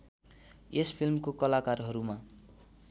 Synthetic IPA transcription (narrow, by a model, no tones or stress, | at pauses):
espʰilmkokʌlakarɦʌɾuma